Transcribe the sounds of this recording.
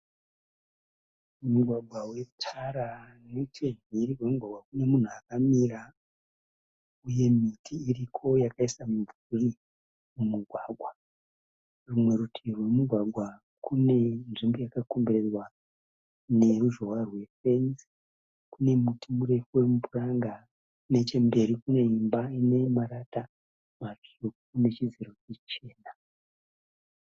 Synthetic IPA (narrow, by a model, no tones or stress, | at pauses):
muɡʱwaɡʱwawe̞utʰaɾanetʰeniɾiwe̞muɡʱwaɡwakune̞mun̤uakamira | uje̞mitʰiːrikʰo̞jakaisamuɱvuri | mumuɡʱwaɡʱwa | rumwe̞ɾutʰirwe̞muɡʱwaɡʱwa | kune̞nʐimbojakakombeɾe̞rwa | ne̞ruʒo̞warwe̞fe̞ns | kune̞mutʰimuɾe̞fuwe̞mupuraŋɡa | ne̞t͡ʃembe̞ɾikune̞imbaine̞maɾata | mat͡ʂukune̞t͡ʃid͡ziɾo̞t͡ʃit͡ʃe̞ːna